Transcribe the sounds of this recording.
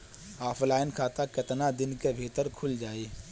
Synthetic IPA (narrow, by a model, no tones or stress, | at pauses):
aːpʰlaːɪnkʰaːt̪akɪt̪nad̪ɪnkebʱiːt̪əɾkʰʊld͡ʒaːeː